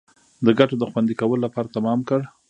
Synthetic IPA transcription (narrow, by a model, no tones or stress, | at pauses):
d̪əɡaʈod̪əxwand̪ikawəlolapɑɾat̪amɑmkəɽ